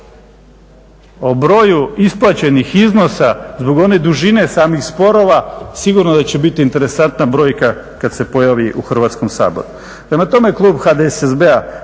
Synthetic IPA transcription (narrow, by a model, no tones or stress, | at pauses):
o̞bɾo̞ːjuisplˠat͡ɕe̞nixizno̞sazbo̞ɡo̞ne̞d̪uʒine̞saːmixspo̞ɾo̞ʋasiɡuɾnod̪at͡ɕe̞bit̪iːnt̪e̞ɾe̞sant̪nabɾo̞ːjka | kad̪se̞po̞jaʋiʔuxr̩ʋat̪sko̞msa̰ːbo̞̰ɾu | pɾe̞mat̪o̞me̞klˠuːbxad̪esezbea